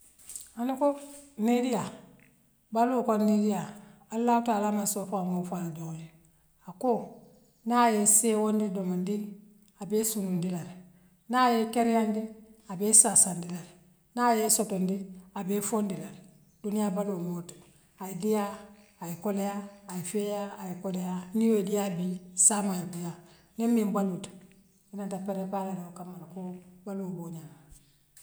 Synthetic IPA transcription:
anukonidija | balokonidija | alːaːhutaːlaːmansofaŋofaladoŋji | ako | najesewondidomondi | abeːsunundilaɾ | najekeɾjandiabeːsasandilaɾ | najesotondiabeːfondilaɾ | d̥unijaːbalumot | ajidijaːjikolejaːjifejaajikolejanijodijabisamajbija | nimbimbalut | inantapeɾepalaɾeokamaɾkobaluːboɲa

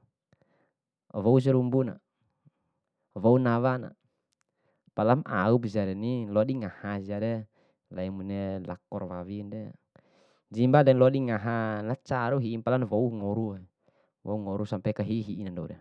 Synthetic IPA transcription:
vɔus̬ɛɾumbuna̰ | vounawana̰ | palama̰upsiaɾɛnilɔdiŋahasiaɾɛ | laimunɛla̰kɔrwawindɛ | d͡ʒimbadɛnlɔdiŋaɦanat͡ʃaɾuɦiːnpalanvouŋɔɾuɛ | vouŋɔɾusampɛkaɦiɦiʔːnandɔdɛ

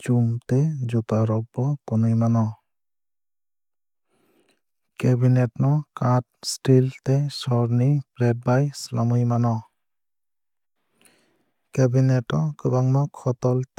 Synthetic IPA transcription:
t͡ʃumted͡ʒupaɾɔk̚bɔkunɯjmanɔ | kebinetnɔkat̚stiltesɔɾnipɾet̚bajslamɯjmanɔ | kebinetɔkɯbaŋnɔkʰɔtɔlt

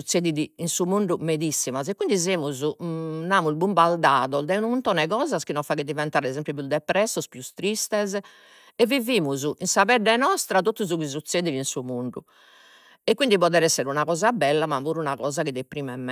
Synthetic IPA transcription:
ut̪seðiðiinsumuɳɖumeðisːimasɛkːind̪izeːmuzunaːmuilbumbaɾd̪aːðɔd̪ɛunuunt̪ɔːnɛɣɔːzaskinɔfaɣɛd̪ivɛnt̪aːɾɛzempjup̬jud̪ɛpɾɛsːɔspjust̪ɾist̪ɛz | ɛvːiviːmuzuʔinsaβɛɖɛnɔst̪ɾat̪ot̪ːuzukiz̬ut̪sːeːðiðinsumuɳɖu | ɛkːwind̪ipɔðɛɾɛsːɛɾunaɣɔːzabɛlːamavuːɾunaɣɔːzakid̪epɾiːmɛmːɛ

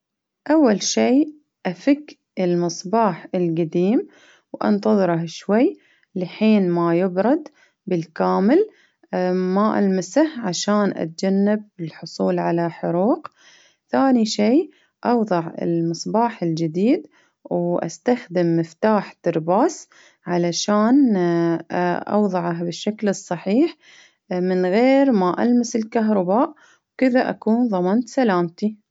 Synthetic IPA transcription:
ʔawːalʃiː | ʔafɪkː | ɪlmɨsˤbɑːħɪlɡad̪iːm | wʔɑ̰nt̪ɑðˤɨɾɑhʃwaj | lɪħiːnmajɪbɾˤɑd̪ | bɪlkaːmɪl | maʔa̰lmasahʕaʃaːnʔa̰t̪̚d͡ʒanːɪb̚ːɪlħʊsˤuːlʕalaħʊɾuːq | θaːniʃiː | ʔɑwðˤɑʕɪ̰lmɨsˤbɑːħɪld͡ʒɪd̪iːd̪ | wʔa̰st̪axd̪ɪmːɪft̪aːħt̪ɪɾbaːs | ʕalaʃaːn | ʔɑ̰wðˤɑʕahbɪʃːaklɨsˤːɑħiːħ | mɪnɣeːɾmaʔa̰lmasɪlkaɦɾˤɑbaːʔ | wkɪðaʔa̰kuːnðˤɑmɑnt̪salaːmt̪i

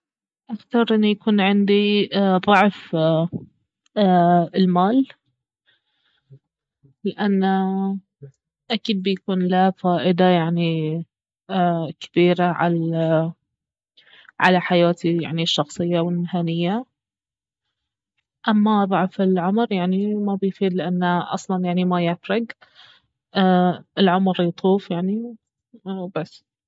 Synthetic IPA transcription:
ʔakt̪ɑɾˤʔɪnːujakuːnʕɪnd̪iðˤɑʕf | ɪlmaːl | lɪʔanːa | ʔakiːd̪̚bɪjakuːnlafaːʔɪd̪ajaʕni | kɪ̥biːɾaʕa̰l | ʕa̰laħajaːt̪ija̰ʕniʃːɑxsˤɨjːawɪlmɪhaːnɪjːa | ʔamːaðˤɑʕfɪlʕʊmɾjaʕnimabɪjfiːd̪lɪʔanːaʔɑ̰sˤlɑnjaʕnimajɪfɾɪɡ | ʔːʔɪlʕʊmɾjt̪ˤʰuːfjaʕni | basː

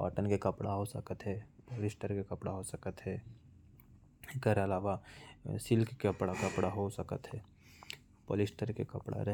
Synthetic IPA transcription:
a̰ːʈənkekɐpɽaɦosə̰kət̪ɦɛːpoːlɪsʈəɾkekɐpɽaɦosəkət̪ɦɛː | keɾɐlaːʋasɪlkkəpɽakɐpɽaɦosəkət̪ɦɛː | po̰ːlɪsʈəɾkekɐpɽa̰ɾɐ

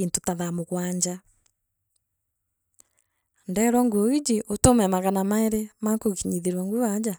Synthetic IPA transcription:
intotaðamoɣwaːɲd͡ʒa | ndɛɾwɔŋɡuoid͡ʒiʔotomɛmaɣanamaeɾemakoɣiɲiðiɾwɔŋɡuad͡ʒa

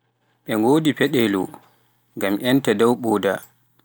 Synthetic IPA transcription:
ɓɛŋɡoːdipɛɗɛlɔ̰ | ɡamʔɛntɛdɔwɓɔːda̰

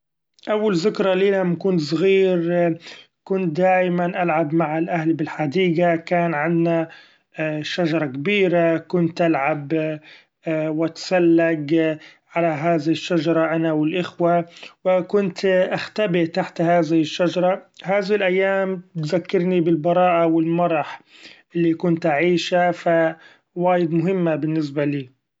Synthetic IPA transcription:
ʔawːalzɪkɾˤɑliːnamkʊnt̪sˤɣiːɾ | kʊnt̪̚d̪aːjmanʔalʕabmaʕalʔahlbɪlħad̪iːɡakaːnʕɪnːa | ʃad͡ʒɑɾˤɑkabiːɾakʊnt̪ʔalʕab | wʔat̪salːaɡʕalaɦaːðɪhɪʃːad͡ʒɑɾˤɑʔanawɪlʔɪxwawɪkʊnt̪ʔaxt̪abɪʔt̪aħt̪haːðɪhɪʃːad͡ʒɑɾˤɑɦaːðɪɪlʔajːaːmt̪zakːɪɾnibɪlbɑɾˤɑːʔawɪlmɑɾˤɑħ | ʔɪlːikʊnt̪ʔaʕiːʃafa | waːjɪd̪mʊɦɪmːabɪnːɪs̬baliː

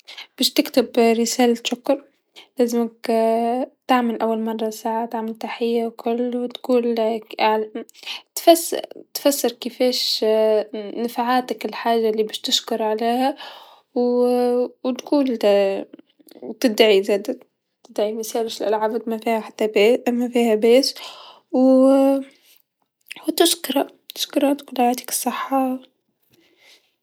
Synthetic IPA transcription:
b̥ɪːʃt̪ɪkt̪ɪbɾɪsaːlat̪ʃʊkːʊɾˤ | laːzɪmak | t̪aʕmalʔawːalmɑrˤːɑsaːʕat̪aʕmalt̪aħɪjːawkʰʊlːwɪt̪kuːlʕlt̪fast̪fasːɪɾkɪfeːʃ | nafʕaːt̪akɪlħaːʒːalːiːbɪːʃt̪ɪʃkʊɾʕaleːha | w | wt̪kuːl | t̪ɪd̪ʕizeːd̪a | t̪ɪd̪ʕimɪsaːlɪʃɪlʔalʕaːbt̪mafiːhaħat̪ːamafiːhabeːs | w | wt̪ɪʃkɾˤɑ | t̪ɪ̥ʃkɾˤɑt̪kuːlʕaat̪ḁkɪ̥sˤːɨħːɑ

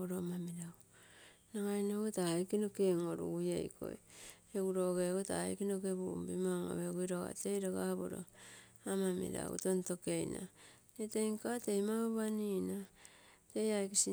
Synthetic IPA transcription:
oɾomamiɾaw | naŋajnoɡotajkinokeŋoɾṵɡujḛjkʰo̰j | eɡuɾoɡeɡota̰jkinokeβuumbimaŋo̰βeɡujɾoɣa̰tejɾoɡaβo̰ɾo̰ | amamḭɾa̰ṵtonto̞ke̞jna̰ | netejŋkatejmaɡaβaninatejajkisi

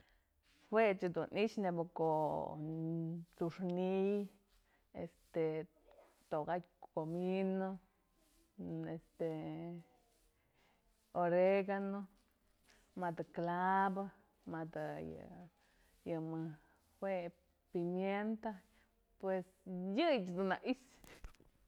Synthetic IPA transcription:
xwet͡ʃed̪unit͡ʃneboko | t͡suʂnij | ḛst̪e | t̪oɡakʲkomino | est̪e | oɾeɡano | mad̪aklaba | mad̪ja̰ | jamɨ | xwe | pimjent̪a | pwesjɨt͡ʃd̪unaʔis

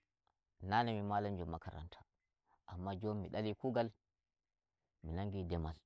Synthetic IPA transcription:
nanɛmimaland͡ʒɔmːakaɾa̰ntʰḁ | ʔamːad͡ʒomːiɗalikuːɡal | minaŋɡidɛmal

